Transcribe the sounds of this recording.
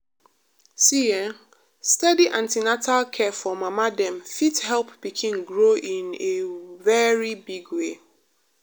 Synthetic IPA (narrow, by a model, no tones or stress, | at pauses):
siɛ̃ | stɛdiʔãntinatʰalkʰɛfɔmamadɛ̃mfithɛlˠpːikʰĩnɡɹoʔĩnevɛɹibiɡwe